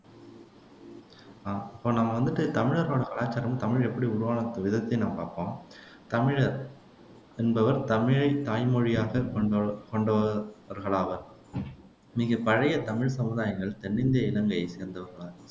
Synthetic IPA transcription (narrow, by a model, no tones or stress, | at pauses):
aɪpːoːnaːmɐʋɐnd̪ɯʈːɯt̪ɐmɪɻɐɾɣoːɽɐkɐɭaːt͡ʃːaːɾɐmt̪ɐmɪɻɛpːɐɽiʊɾʊʋaːnɐt̪ːɐʋɪðɐt̪ːɐɪnaːmɐpaːɾpõː | t̪ɐmɪɻɐɾ | ɛnbɐʋɐɾt̪ɐmɪɻt̪aːjmɔɻɪjaːɣɐkkɔɳɖɐʋɐɾɣɐɭaːɣɐ | miːɣɐpɐɻɐjɐt̪ɐmɪɻsɐmɯðaːjɐŋɡɐɭt̪ɛɳːɪnd̪ɐjɐɪlɐŋɡɐseːɾnd̪ɐʋɐɾɣɐɭaːɣɐ